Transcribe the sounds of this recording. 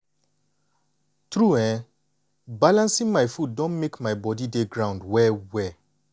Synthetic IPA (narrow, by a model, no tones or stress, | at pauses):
tɹuɛ̃ | balãnsĩŋmajfuddɔ̃nmekmaɪbɔdideɡɹãʊ̃ndwɛwɛ